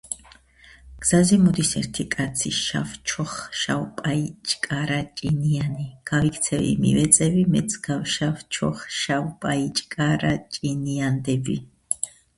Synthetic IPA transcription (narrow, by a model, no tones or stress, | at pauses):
ɡ̥z̥azɛmɔd̪isɛ̰ɾt̪ʰikʼat̪sʰiʃa̰ft͡ʃʰɔχʃawpʼait͡ʃʼkʼaɾat͡ʃʼinianiɡ̥avikʰt̪sʰɛvḭmḭvɛt̪sʼɛbimɛt̪sʰɡ̥awʃaft͡ʃʰɔ̰χʃawpʼait͡ʃʼkʼaɾat͡ʃʼiniand̪ɛbi